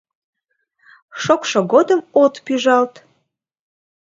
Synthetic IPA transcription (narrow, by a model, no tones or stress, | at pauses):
ʃokʃoɣod̪əmot̪pyʒɑlt̪